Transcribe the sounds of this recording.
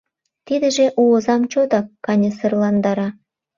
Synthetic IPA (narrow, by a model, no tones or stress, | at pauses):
t̪id̪ɘ̆ʒĕʔuɤ̆zɑmt͡ɕod̪ɑkːɑnʲɤsɤ̆rlˠɑnd̪ɑɾɑ